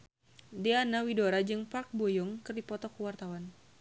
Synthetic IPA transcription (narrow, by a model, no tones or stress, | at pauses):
dianawidoɾad͡ʒɨŋpark̚bojɔŋkɨrdipɔt̪ɔkuwart̪awan